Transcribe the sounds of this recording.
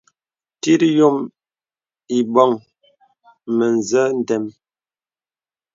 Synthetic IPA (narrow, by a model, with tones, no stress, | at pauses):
ti˦ɾjo˦m | i˨bɔ˦˨ŋ | mə˨n˨zə˦n̩˨tɛ˨m